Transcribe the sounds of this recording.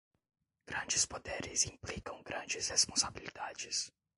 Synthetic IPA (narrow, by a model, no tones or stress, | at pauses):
ɡ̥ɾɐ̃nd͡ʒɪspod̪eɾɪzĩmplikɐ̃w̃ɡɾɐ̃nd͡ʒɪshespõsabilid̪ad͡ʒɪs